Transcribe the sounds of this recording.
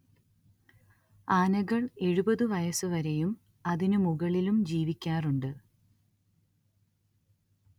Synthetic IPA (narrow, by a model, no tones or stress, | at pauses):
aːnɐɣɐɭe̞ɻubɐðɨʋɐjɐsɨʋɐɾejum | ɐðinɨmuɣɐɭilumd͡ʑiːʋikʲːaːruɳɖɨ